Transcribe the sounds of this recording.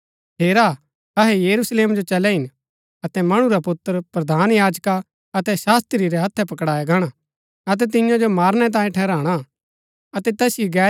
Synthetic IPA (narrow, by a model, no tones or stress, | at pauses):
ɦeːɾa | ɐɦɛjɐɾusleːmd͡ʒot͡ʃɐlɛɦɪn | ɐt̪ɛmɐɽ̃ũɾapʊt̪ːəɾpɾɐd̪ʱaːnjaːd͡ʒka | ɐt̪ɛsaːst̪ɾiɾɛɦɐt̪ʰːɛpɐkɽaːjaɡʱaːɽ̃a | ɐt̪̬ɛt̪ɪ̃jãd͡ʒomaːɾñɛt̪̬ãːĩʈʰɛːɾaːɽ̃a | ɐt̪ɛt̪ɛsɪiɡɛː